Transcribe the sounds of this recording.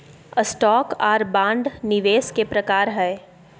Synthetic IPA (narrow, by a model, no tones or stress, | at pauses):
əsʈɔːkɔːɾbãːɳɖnɪʋeːskepɾɐkaːɾɦɛː